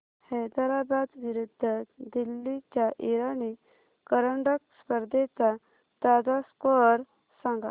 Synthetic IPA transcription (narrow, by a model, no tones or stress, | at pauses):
hɛjd̪əɾabad̪ʋiɾud̪ʱːəd̪ilːit͡ɕjaʔiɾani | kəɾəɳɖəkspəɾd̪et͡sa | t̪ad͡zaskɔɾ | sãŋɡa̰